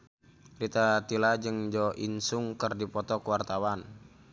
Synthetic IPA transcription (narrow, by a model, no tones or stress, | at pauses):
rit̪at̪ilad͡ʒɨŋd͡ʒɔʔinsʊŋkərdipɔt̪ɔkəwart̪awan